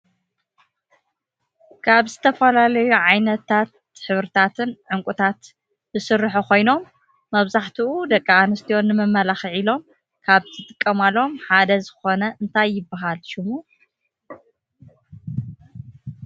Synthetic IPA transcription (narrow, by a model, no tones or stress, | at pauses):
kʰaβzɨt̪ʰɐfɐlalɐjuʕajnɐt̪ʰːat̪̚ | ħɨβɾɨt̪ʰat̪ʰɨnʕɨŋkʷʼut̪ʰat̪ | zɨsɨrːɨħukʰo̞jno̞mː | ɐβzaħt̪ʰiʔud̪ɐkʼːaanɨst̪ʰijo̞nːɨmɨmːɐlaxiʕilo̞m | kʰaβt̪ʰɨt̪ʼɨkʼːɐmalo̞mħad̪ɐzɨxo̞nɐʔɨnt̪ʰajːɪbːaɦalʃɪmu